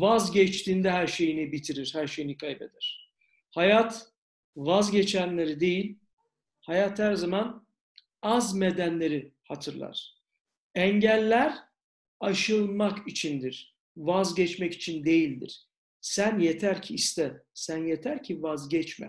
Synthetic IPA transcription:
vazɟɛt͡ʃt̪ʰiːnd̪ɛɦæɾʃe̞jinibit̪ʰiɾiɾhæɾʃe̞jinikʰajbed̪ɛɾ̥ | hajat̪ | vazɟɛt͡ʃʰænlʲe̞ɾid̪e̞jilʲ | hajat̪hæɾzaman | azmed̪ænlʲe̞ɾihat̪ʰɯɾlˠa̰ɾ̥ | ɛɲɟælʲːæɾ | aʃɯlˠmakit͡ʃʰind̪iɾ̥ | vazɟɛt͡ʃmɛci̥t͡ʃʰind̪e̞jilʲd̪ḭɾ̥ | sænjet̪ʰæɾcʰiːst̪ɛsænjet̪ʰæɾcʰivazɟɛt͡ʃmɛ̰

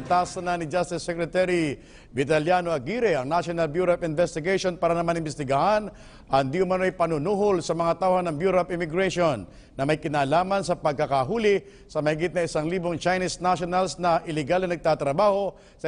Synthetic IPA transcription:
t̪aːsɐnɐnɪd͡ʒast̪ɪsːɛkɾɛt̪ɛɾi | vɪt̪ɐljano̞ɐɡiːɾɛɐŋnaʃonɐlbjuɾɐpɪnvɛst̪ɪɡɛjʃonpaːɾɐnɐmanɪnmbɛst̪ɪɡɐhan | ʔɐnd̪iːhʊmɐnoʔɐjpɐnʊnuːɦolsɐmɐŋat̪awhɐnɐŋbjuɾapɪmɪɡɾɛʃonː | ɐmɐjkɪnaːlaːmɐns̬ɐpɐɡ̚kɐkaɦuːlɪ | sɐmɐhɪɡɪt̪̚nɐɪsaŋliːboŋt͡ʃajnisnaʃonɐlsnɐʔɪlɪɡalnɐnɐɡ̚t̪aːt̪ɾɐbaːho̞ | sɐ

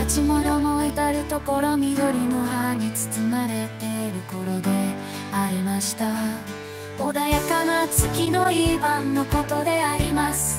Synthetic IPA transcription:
at͡ɕimo̞no̞no̞et̪aɾɯ̟t̪o̞ko̞ɾo̞mʲid̪o̞ɾʲino̞ɦaɲ̟it͡sɨ̥t͡sɨnaɾet̪eɾɯ̟ko̞ɾo̞d̪e̞ | aɾʲimaɕi̥t̪a | od̪ajakanat͡sɨkʲino̞jiːbãnːo̞ko̞t̪o̞d̪e̞aɾʲimasɨ̥

